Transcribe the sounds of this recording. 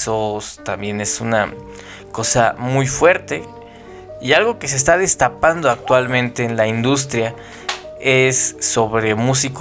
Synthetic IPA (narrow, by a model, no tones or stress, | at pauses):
sost̪ambje̞ne̞suna̰ | ko̞sa̰mujfwe̞ɾt̪e̞ | ialɣo̞ke̞s̬e̞ːs̬t̪að̞e̞st̪apand̪o̞ak̚t̪walmẽ̞nt̪e̞ːnlaind̪us̬t̪ɾja | e̞sːo̞βɾe̞mus̬ik